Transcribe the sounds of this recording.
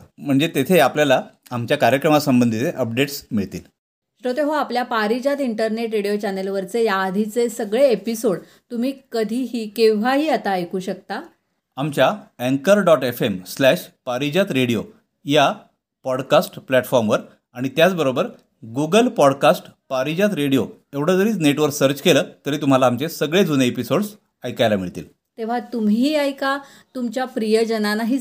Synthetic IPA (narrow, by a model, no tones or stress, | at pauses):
m̤əɳd͡zet̪et̪ʰeapljalaː | mt͡ɕjakaɾjəkɾəmasəmbənd̪ʱit͡seʔəp̚ɖeʈsmiɭt̪iːl | ɕʈot̪eɦoapljapaɾid͡ʑat̪iɳʈəɾneʈɾeɽijot͡ɕanelʋəɾt͡sejaːd̪ʱit͡sesəɡɭeːpisoɽ | t̪um̤iːkəd̪ʱiːɦiːkẽʋ̤aɦiːat̪aəjkuːɕək̚t̪a | amt͡ɕjaɛ̃ŋkəɾɖɔʈefemslæʂpaɾid͡ʑat̪ɾeɽijo | ja | pɔɽkasʈplɛʈfɔɾmʋəɾ | aɽ̃it̪jat͡sbəɾobəɾ | ɡuɡəlpɔɽkasʈpaɾid͡ʑat̪ɾeɽijo | eʋɽ̤əd͡zəɾiːt͡sneʈʋəɾsəɾt͡ɕkeləːt̪əɾiːt̪um̤alaːmt͡ɕesəɡɭed͡zuneepisoɽs | ajkajlamiɭt̪ḭːl | t̪eʋ̤at̪umɦiːajka | t̪umt͡ɕjapɾijəd͡ʑənanaɦiː